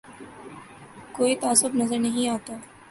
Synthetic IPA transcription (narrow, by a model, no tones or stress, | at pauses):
koːit̪aːsʊbnɐzəɾnɐɦĩaːt̪aː